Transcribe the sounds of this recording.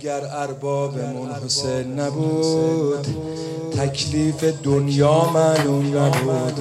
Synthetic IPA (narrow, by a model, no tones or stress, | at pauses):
ɡæɾæɾbɒːbemʊnhosejnːæbuːd̪ | t̪ʰækʰliːfe̞d̪onjɒːmænunnæbuːd̪̥